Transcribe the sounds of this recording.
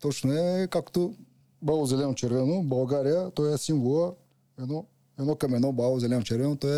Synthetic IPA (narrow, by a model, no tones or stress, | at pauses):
t̪ɔt͡ʃnʊɛkakt̪ʊ | bauzɛlɛnʊt͡ʃɛɾvɛnʊbɐlˠɡaɾijɐt̪ɔjɛsĩnvɔɐ | ɛnɔ | ɛnɔkɐmɛnɔbauzɛlɛnʊt͡ʃɛɾvɛnʊt̪ɔɛ